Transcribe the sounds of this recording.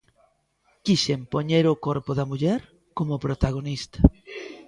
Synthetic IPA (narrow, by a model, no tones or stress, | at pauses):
kiʃempoɲeɾʊkoɾpoðamuʎɛɾ | komopɾot̪aɣ̞onist̪ḁ